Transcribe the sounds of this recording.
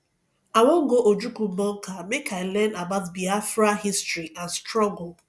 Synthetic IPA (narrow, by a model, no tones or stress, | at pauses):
aŋʷɔŋ̩ɡoʔod͡ʒukumɔŋ̩kamekʰaɪlɛnabaʊtbiafɾahistɾiʔãnstɾɔŋɡo